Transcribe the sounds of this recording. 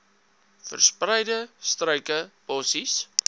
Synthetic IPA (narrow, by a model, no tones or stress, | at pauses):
fə̰rsprɛjdəstrœɥkəpɔsis